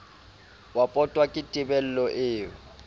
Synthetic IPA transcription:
wapʼɔtʼwakʼɪtʼɪbɛl̩lɔʔɪːʊ

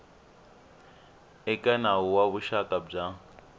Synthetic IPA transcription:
ɛkʼɛnaɦuwaβuʃakʼab͡ʐa

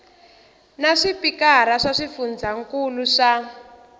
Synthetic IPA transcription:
naʂipikaɾaʂaʂifund͡zaŋkuluʂa

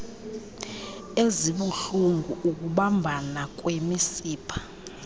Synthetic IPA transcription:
eziɓuɬuŋɡʱuʔuk̬ʼuɓambʱanak̬ʼwemisiːpʰḁ

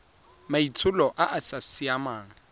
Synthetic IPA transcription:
mait͡sʰʊlɔʔaʔasasiamaːŋ̩

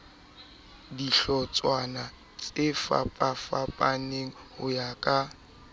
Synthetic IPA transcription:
diɬɔt͡sʼwana | t͡sʼefa̰pʼafapʼaneŋ̩hʊ̰jakʼa

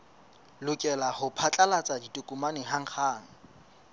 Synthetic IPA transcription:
lʊkʼɛlahʊpʰat͡ɬʼalat͡sʼaditʼʊkʼumanɪɦaŋ̩χʰaːŋ̩

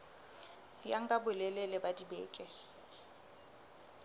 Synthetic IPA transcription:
jaŋ̩kʼabʊlɛlɛlɪbadibḛːkʼɛ

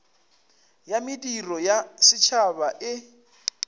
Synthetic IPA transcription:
jamɪdirɔjasɪt͡ʃʰabaʔɪ

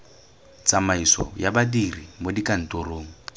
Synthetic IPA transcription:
t͡sʼamaisɔ̰jabadirimodikʼan̩toɾoːŋ̩

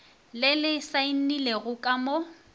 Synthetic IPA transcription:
lɪlɪsainileɣʊkʼamo

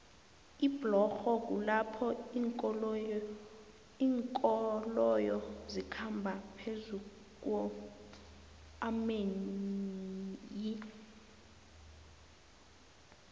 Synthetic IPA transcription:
iblɔxɔk̬ʼulapʰɔiːŋkʼɔ | iːŋkʼɔlɔjɔzikʰambʱapʰezu | k̬ʼwɔ | amen | ji

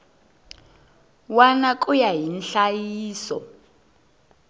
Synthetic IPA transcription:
wanak̬ʼujaɦinɬajiːsɔ̰

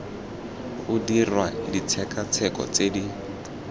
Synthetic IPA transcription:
ʊdirwadit͡sʰɛkat͡sʰɛkʼɔ̰t͡sedi

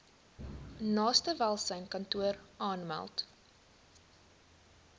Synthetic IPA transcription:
nɑːstəvælˠsəjnkɐntuəɾʔɑːnmæ̰lˠt

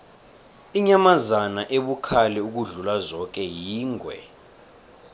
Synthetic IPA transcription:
iɲamazanaʔeɓukʰalɛuk̬uɮulazɔk̬ɛjiːŋɡʱwɛ̰

